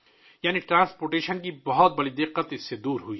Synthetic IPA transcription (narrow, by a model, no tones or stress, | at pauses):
jaːniʈɾãːspoːɾʈeːʃənkibɐɦɔt̪̚bɐɽid̪ɪqːət̪ɪsːed̪uːɾɦui